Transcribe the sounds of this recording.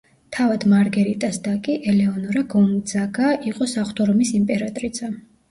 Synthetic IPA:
t̪ʰavad̪maɾɡɛɾit̪ʼasd̪akʼiʔɛlɛɔnɔɾaɡɔnd̪zaɡaʔiqʼɔsaχt̪ʰʼɔɾɔmisimpʼɛɾat̪ʼɾid̪z̥a

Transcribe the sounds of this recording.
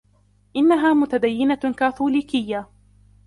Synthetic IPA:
ʔɪnːaɦaːmʊt̪ad̪ajːɪnakaːθuːliːkɪjːa

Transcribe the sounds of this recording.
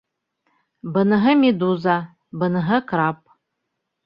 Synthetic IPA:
bənɨɦɐmiduza | bənɨɦɐkʰɾap̚ʼ

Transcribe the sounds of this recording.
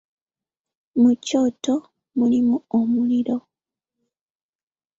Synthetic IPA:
mucoːto | mulimuomuliɾo

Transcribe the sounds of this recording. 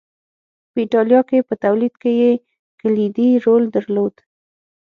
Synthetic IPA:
pəiʈɑljɑkepət̪awlid̪keje | kalid̪iɾold̪əɾlod̪̥

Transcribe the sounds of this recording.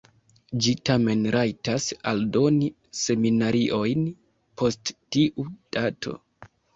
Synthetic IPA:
d͡ʒitame̞nɾajtasaldo̞ni | se̞minaɾiʔo̞jn | pʰo̞sttiʔud̥atʰo̞̰

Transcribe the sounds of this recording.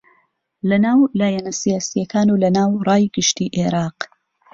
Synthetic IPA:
lɐnaːwlaːjɛnɐsijaːsijɐkʰaːnuːlɐnaːwrˤɑːjɡɨʃt̪iːʔeɾɑːq

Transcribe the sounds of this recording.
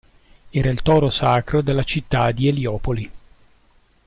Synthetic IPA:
ɛːɾailt̪ɔːɾosaːkɾod̪elːat͡ʃit̪ːad̪ieljɔːpoli

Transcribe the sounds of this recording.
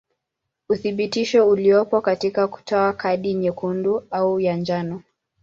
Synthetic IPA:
uθiɓitiʃɔuliɔpɔkatikaku̥tʰɔakʰaɗiɲɛkunduaujand͡ʒanɔ

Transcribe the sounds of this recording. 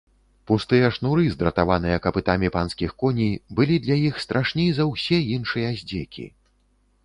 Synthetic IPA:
pust̪ɨjɐʂnuɾɨzd̪ɾɐt̪avanɨjɐkɐpɨt̪amʲipanskʲixkɔnʲijbɨlʲid̪lʲɐjixst̪ɾʔaʂnʲɛjzɐwsʲɛinʂɨjɐzʲd͡zʲɛkʲʰḭ

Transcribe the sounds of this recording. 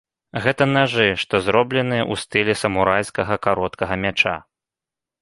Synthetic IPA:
ɣɛt̪ɐnaʐɨʂt̪ɔzɾɔblʲɛnɨjɛʔust̪ɨlʲɛsɐmuɾajskɐɣɐkaɾɔt̪kɐɣɐmʲat͡ʂa̰

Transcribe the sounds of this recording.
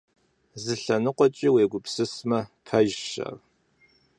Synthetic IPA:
zɨɬɐnɨqʷɔt͡ʃʼiweːɡʷʊpsɨsmɐpʰɐʒʃɐ̰ːr

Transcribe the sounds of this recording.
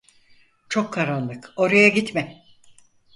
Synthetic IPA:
t͡ʃʰo̞kʰːaɾanlˠɯko̞ɾajaɟit̪mɛ

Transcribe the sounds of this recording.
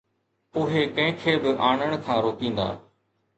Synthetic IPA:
ʊɦeːkɐ̃ɦɪ̃kʰeːbɪʔaːɳəɽ̃kʰãːɾoːkĩːnd̪a̰ː

